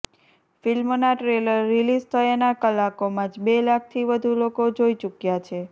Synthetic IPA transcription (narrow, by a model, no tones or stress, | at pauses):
filmonaʈɾeləɾːilizt̪ʰəenakəlakomãd͡ʒbelak̚ʰt̪ʰiʋəd̪ʱulokod͡ʒoit͡ʃukjat͡ʃʰe